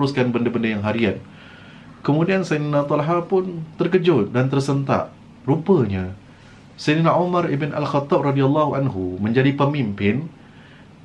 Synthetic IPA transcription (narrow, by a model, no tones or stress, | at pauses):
ɾuskanbəndəbəndəjaŋɦaɾian | kəmudiansajninat̪ɔlɦapʊnt̪ərkəd͡ʒʊt̪̚dant̪ərsənt̪a̰ʔ | rupəɲa | sajninaʔumaɾibɪna̰lxat̪ːɑb̚rɑdialːɑhuʔanɦumə̃ɲd͡ʒadipəmimpɪn